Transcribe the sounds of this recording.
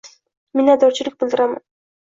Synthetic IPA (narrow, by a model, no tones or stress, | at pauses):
menad̪ɒɾt͡ʃʰɪlɪk̚ʲbɪlˠd̪ɪɾama̰n